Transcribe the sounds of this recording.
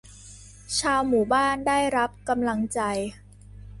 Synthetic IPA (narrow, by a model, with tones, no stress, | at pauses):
t͡ɕʰaː˧wmuː˩˦baː˥˩ndaː˥˩jɾa˦˥p̚ka˧mla˧ŋt͡ɕa˧j